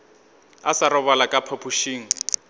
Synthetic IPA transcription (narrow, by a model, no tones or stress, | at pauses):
asaɾɔβalakʼapʰapʰuʃiːŋ̩